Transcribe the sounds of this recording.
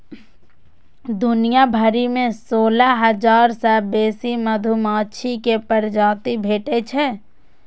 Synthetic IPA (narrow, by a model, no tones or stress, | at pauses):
d̪ʊnijabʱɐɾimẽsoːlaɦɐd͡ʒaːɾsɛbeːsimɐd̪ʱʊmaːʃʰikepəɾd͡ʒaːt̪ibʱeːʈet͡ʃʰɛ